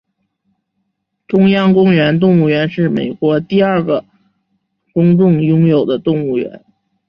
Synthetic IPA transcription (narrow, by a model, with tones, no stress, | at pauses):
ʈ͡ʂʊ˥ŋjɑ˥ŋkʊ˥ŋɥɛ˧˥nt̪ʊ˥˧ŋu˥˩ɥɛ˧˥nʂɻ̩˥˩mḛ˨˩ɪkwɔ˧˥t̪i˥˧a˞˥˩ɡə˩ | kʊ˥ŋʈ͡ʂʊ˥˩ŋjʊ˥ŋjo˨˩ʊd̪ə˦t̪ʊ˥˧ŋu˥˩ɥɛ̰˧˥n